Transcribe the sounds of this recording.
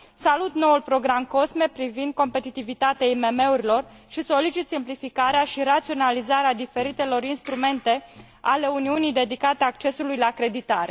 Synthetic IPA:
salut̪no̞ulpɾo̞ɡɾamko̞sme̞pɾivind̪̚ko̞mpe̞t̪it̪ivit̪at̪eaime̞me̞uɾilo̞r | ʃiso̞lit͡ʃit̪simplifikaɾeaʃiɾat̪sio̞nalizaɾead̪ife̞ɾit̪e̞lo̞ɾinst̪ɾume̞nt̪e̞ | ale̞uniunijd̪e̞d̪ikat̪eak̚t͡ʃe̞sulujlakɾe̞d̪it̪aɾe̞̰

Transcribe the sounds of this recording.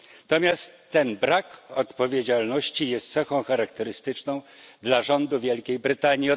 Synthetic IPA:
t̪ɔmʲjast̪ːɛnbɾakɔt̪pɔvʲjed͡ʑalnɔɕt͡ɕijɛst̪t̪sɛxɔ̃w̃xaɾakt̪ɛɾɘst̪ɘt͡ʂnɔ̃w̃d̪laʐɔnd̪uvʲjɛlkʲejbɾɘt̪aɲji

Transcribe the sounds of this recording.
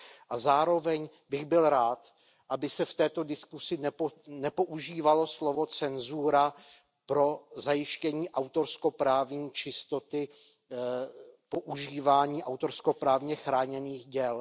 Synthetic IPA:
ʔazaːɾo̞vɛɲ | bɪɣbɪlɾaːt̪ | ʔabɪsɛft̪ɛːt̪o̞dɪskusɪnnɛpo̞ʔuʒiːvalo̞slovo̞t͡sɛnzuɾa | pɾo̞zajɪʃcɛɲiːʔawt̪o̞ɾsko̞pɾaːvɲiːt͡ʃɪst̪o̞t̪ɪ | po̞ʔuʒiːvaːɲiːʔawt̪o̞ɾsko̞pɾaːvɲɛxɾaːɲɛniːxɟɛl

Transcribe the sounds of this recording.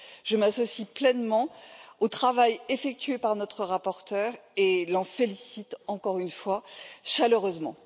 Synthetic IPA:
ʒəmasɔsiplɛnmɑ̃ot̪χavajefɛk̚t̪ɥepaʁnɔt̪χəʁapɔʁt̪œːʁelɑ̃felisit̪ɑ̃kɔʁynfwaʃaløʁøzmɑ̰̃

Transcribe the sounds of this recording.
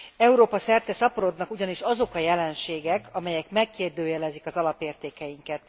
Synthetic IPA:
ɛuɾoːpɒsɛrt̪ɛsɒpoɾo̞d̪nɒkuɟɒniʃɒzo̞kɒjɛlɛnʃeːɡɛkɒmɛjɛkmɛkːeːrd̪øːjɛlɛzikɒzɒlɒpeːrt̪eːkɛjiŋkɛt̪

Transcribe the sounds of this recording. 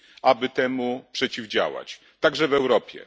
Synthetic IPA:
abɘt̪ɛmupʂɛt͡ɕivd͡ʑa̰wa̰t͡ɕ | t̪aɡʐɛvɛwɾɔpʲjɛ̰

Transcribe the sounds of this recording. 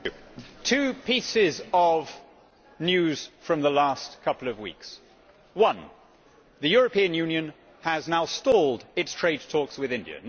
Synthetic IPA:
tʰʉpʰisɪzəv | njʉz̥fɹʌ̃mðəlæskʰʌpl̩ˠʌvwḭks | wʌ̃n | ðɨjʊɹəpʰĩɨ̃njʉ̃njɨ̃n | əznaʊstɔlˠdɪtstʰɹ̥eɪd̚tʰɔkswɪðɪ̃ndiɨ̰n

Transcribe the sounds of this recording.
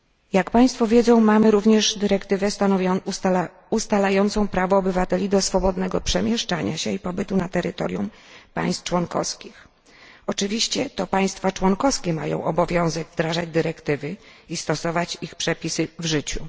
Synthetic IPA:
jakpaj̃st̪fɔvʲjɛd̪zɔ̃w̃mamɘɾuvɲɛʐd̪ɘɾɛkt̪ɘvɛst̪anɔvj | ust̪alajɔnt̪sɔ̃w̃pɾavɔːbɘvat̪ɛlʲid̪ɔsfɔbɔd̪nɛɡɔpʂɛmʲjɛʂt͡ʂaɲa̰ɕɛipɔbɘt̪unat̪ɛɾɘt̪ɔ̰ɾjum | pa̰j̃st̪t͡ʂwɔnkɔ̰skʲix | ɔt͡ʂɘvʲiɕt͡ɕɛt̪ɔpaj̃st̪fat͡ʂwɔnkɔfskʲɛma̰jɔ̰̃w̃ʔɔbɔvʲjɔ̃w̃zɛɡvd̪ɾaʐad͡ʑd̪ɘɾɛkt̪ɘvɘist̪ɔsɔvat͡ɕixpʂɛpʲisɘvʐɘt͡ɕu

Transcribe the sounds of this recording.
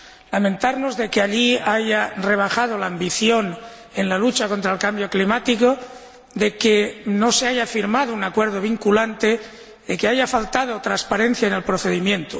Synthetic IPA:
lamẽnt̪aɾnozðe̞keaʎiaʝare̞β̞axað̞olaːmbiθjo̞n | enlalut͡ʃako̞nt̪ɾaelkambjo̞klimat̪iko | ðe̞keno̞seaʝafiɾmaðounakweɾðoβ̞iŋkulant̪e | ðekeaʝafalt̪að̞ot̪ɾanspaɾẽ̞n̟θjaene̞lpɾoθe̞ðimjẽ̞nt̪o

